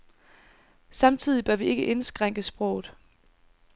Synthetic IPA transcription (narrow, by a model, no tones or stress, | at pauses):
sɑ̈mt͡sʰið̰ˠib̥ɶɐʋie̝ɡ̥əʔe̝nsɡ̥ʁaŋ̰ɡ̥əsb̥ʁɔ̽ʊ̰ð̩ˠ